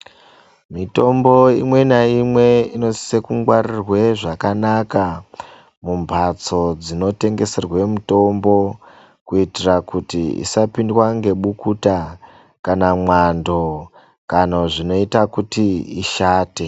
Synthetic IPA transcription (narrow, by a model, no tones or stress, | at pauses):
mito̞mbo̞imwe̞naimwe̞ino̞si̥se̞kuŋɡwarirwe̞ʐakanaka | mumbʱat͡so̞d͡zino̞te̞ŋɡe̞se̞rwe̞muto̞mbo̞ | kuitirakutiḭsapindwaŋɡe̞ɓukuta | kanamwando̞ | kanoʐino̞itakutiiʃaːte